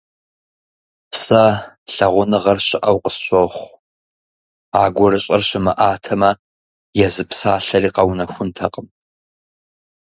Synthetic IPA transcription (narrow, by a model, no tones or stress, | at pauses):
sɐɬɐʁʷʊnɨʁɐrɕɪʔɐwqə̥sɕʷoχʷ | aːɡʷɔrɨɕʼɐrɕɪmɐʔaːtʰɐmɐ | jɛzɨpsaːɬɐriːqɐwnɐxʷʊntʰɐqʼəm